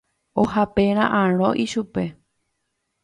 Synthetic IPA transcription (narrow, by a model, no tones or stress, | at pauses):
oɦapeɾ̃ã̰ʔãɾ̃õ̰ʔiʃupe̞